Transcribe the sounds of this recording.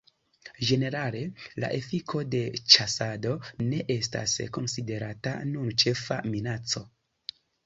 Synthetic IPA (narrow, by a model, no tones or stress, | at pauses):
d͡ʒe̞ne̞ɾale̞la̰ʔe̞fikʰo̞de̞t͡ʃasado̞ne̞ʔe̞sta̰sko̞nside̞ɾata̰nunt͡ʃe̞fa̰minat͡so̞